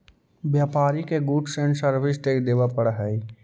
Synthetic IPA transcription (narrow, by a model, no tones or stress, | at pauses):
bjaːpaːɾikeɡuːʈsẽɳʈsəɾbʱɪsʈeːkd̪eːʋapəɽɦɛi